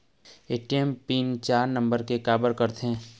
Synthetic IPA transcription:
eːʈiempiːnt͡ʃaːɾnə̃mbəɾkekaːbəɾkəɾt̪eɦɛ̃ː

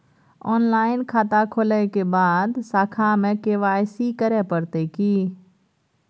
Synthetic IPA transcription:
ɔːnlaːɪnkʰaːt̪aːkʰoːləekeːbaːd̪saːkʰaːmẽkeːʋaːɪsikəɾeːpəɾt̪eːkiː

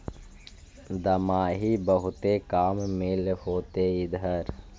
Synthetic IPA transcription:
d̪əmaːɦibəɦʊt̪ekaːmːɪlhoːt̪eɪd̪ʱəɾ

